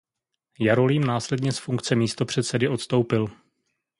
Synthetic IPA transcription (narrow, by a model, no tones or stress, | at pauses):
jaɾo̞liːmnaːslɛdɲɛsfuŋkt͡sɛmiːst̪o̞pr̝̥ɛt̪sɛdɪʔo̞t̪st̪o̞wpɪl